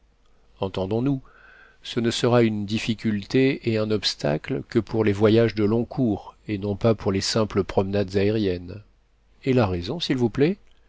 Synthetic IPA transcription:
ɑ̃t̪ɑ̃d̪ɔ̃nu | sənəsəʁaynd̪ifikʲylt̪eeɛ̃nɔpst̪a̰klkəpʰuʁlevwajaʒd̪əlɔ̃kʰuːʁenɔ̃papuʁlesɛ̃pləpχɔmnad̪zaeʁjɛn | elaʁezɔ̃silvuplɛ

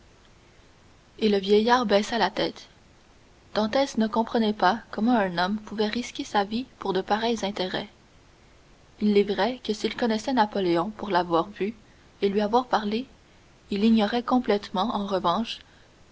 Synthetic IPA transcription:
eləvjɛjaːʁbɛsalat̪ɛːt̪ | d̪̥ɑ̃t̪ɛsnəkɔ̃pχənɛpakɔmɑ̃ɛ̃nɔmpuvɛʁiskʲesavipuʁd̪əpaʁɛjzɛ̃t̪eʁɛ̰ | ilːɛvʁɛkəsilkɔnɛsɛnapɔleɔ̃puʁlavwaːʁvy | elɥiavwaːʁpaʁle | iliɲɔʁɛkɔ̃plɛt̪mɑ̃ɑ̃ʁəvɑ̃ʃ

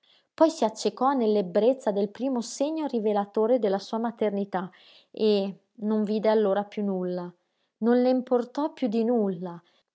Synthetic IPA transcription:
pɔjsiat͡ʃːekɔnelːebːɾet̪sːad̪elpɾiːmoseɲːorivelat̪oːɾed̪elːasuːamat̪ernit̪a | e | noɱviːd̪ealːoːɾapjunulːa | nonleimport̪ɔpjud̪inulːa

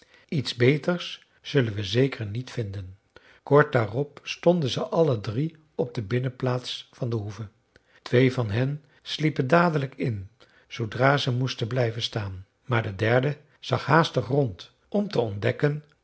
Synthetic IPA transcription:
itzbejtəɹs | z̥ɵlənʋəzejkʰəɹnitfɪndən | kɔɹt̚daːrɔpstɔndənzəʔɑlədri | ɔb̚dəbɪnəplaːtsfɑndəɦuvə | tʋejvɑnɦɛn | slipəndaːdələkɪn | z̥owdraːzəmustənblɛjvənstaːn | maːɹdədɛɹdə | z̥ɑχɦaːstəχrɔnt | ɔmtəɔndɛkən

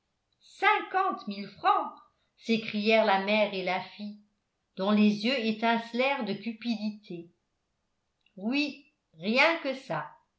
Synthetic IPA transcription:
sɛ̃kɑ̃t̪milfχɑ̃ | sekχijɛʁlamɛʁelafij | d̪̥ɔ̃lezjøet̪ɛ̃slɛʁd̪əkʲypid̪it̪ʰe | wi | ʁjɛ̃kəsa

